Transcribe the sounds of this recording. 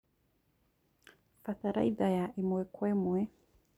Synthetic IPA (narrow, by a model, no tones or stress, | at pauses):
faθaɾa̰iðajaʔimuɛkwɛmwɛ